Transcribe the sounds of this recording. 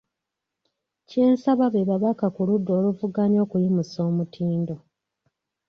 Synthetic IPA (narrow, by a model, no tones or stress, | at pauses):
ce̞ːnsaβaβeβaβakakuludːo̞ːluvuɡaɲo̞ːkujimuso̞ːmutʰiːndo̞